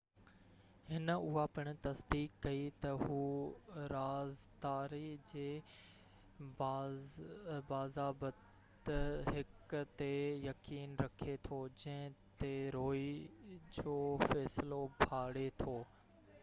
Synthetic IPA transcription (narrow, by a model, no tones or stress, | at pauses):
hɪnʊɦapɪɽ̃̆t̪ɐsd̪iːkːɐit̪ɐɦuːɾaːzd̪aːɾid͡ʑeː | baːzaːbət | ɦɪkt̪ejɐkiːnɾɐkʰet̪ʰod͡ʑɐ̃ɦɪ̃t̪eɾoːid͡ʑoːfɛːslobʱaːɽet̪ʰoː